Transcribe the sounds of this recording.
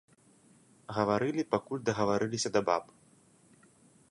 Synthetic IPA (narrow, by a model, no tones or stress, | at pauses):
ɣɐvaɾɨlʲipakulʲd̪ɐɣɐvaɾɨlʲisʲɐd̪ɐba̰p